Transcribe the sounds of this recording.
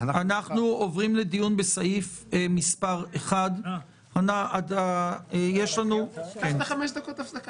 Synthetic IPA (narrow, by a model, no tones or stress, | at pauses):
anaχnuovʁimle̞d̪ijunbesaif | emispaʁeχad̪ | anaʔad̪ajeʃlanueχameʃd̪akot̪afsaka